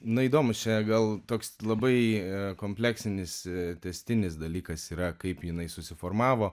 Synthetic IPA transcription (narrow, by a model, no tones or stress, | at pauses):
nʊiːd̪oːmʊst͡ʃʲɛɡɐlˠt̪oːkslˠɐbɐɪkoːmʲpʲlʲæːksʲɪnʲɪst̪ʲɛsʲt̪ʲɪnʲɪsd̪ɐlʲiːkɐsiːɾɐkɐɪpjɪnɐɪsʊsʲɪfoːɾmɑːʋoː